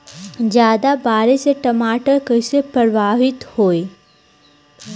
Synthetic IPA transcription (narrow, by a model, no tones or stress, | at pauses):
zjaːd̪abaːɾeseʈɐmaːʈəɾkəɪsepɐɾʋaːɦɪt̪hoːe